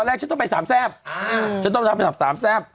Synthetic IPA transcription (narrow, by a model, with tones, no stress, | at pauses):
ɔ˧nlɛː˥˩t͡ɕa˦nt̪ɔ˥˩˨pa˧jsaː˩˦msɛː˥˩p̚t͡ɕʰnt̪ɔ˥˩ŋt̪ʰa˧pa˧˩a˩saː˩˦msɛː˥˩p̚